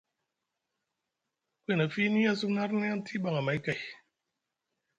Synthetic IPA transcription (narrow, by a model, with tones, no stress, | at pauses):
kʷe˦˨na˨fi˦ni˦a˦su˦na˦ɾni˦a˦n˦tʰi˦ba˨ŋa˨ma˨˦ka˨j